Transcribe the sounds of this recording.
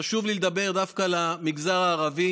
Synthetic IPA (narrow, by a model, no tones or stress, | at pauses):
aʃuvliled̪abe̞ʁd̪afkalamiɡzaʁaːʁavi